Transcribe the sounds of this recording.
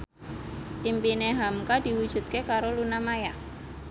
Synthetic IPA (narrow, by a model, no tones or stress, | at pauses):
t̪impineɦamkad̥i̤wud̥ʒ̥ṳt̪̚kekaɾolunamaja